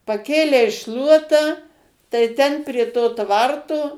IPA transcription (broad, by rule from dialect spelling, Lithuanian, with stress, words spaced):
pɐˈkʲeːlʲɛɪ ˈʃlˠuɔtɑː tɐɪ ˈtʲɛn pʲrʲiɛ ˈtoː ˈtʋɐrtoː